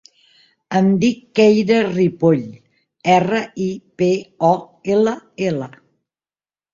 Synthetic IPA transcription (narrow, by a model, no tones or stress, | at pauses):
ənd̪ikːɛjɾəripoʎ | ɛrəipeɔ | eləelə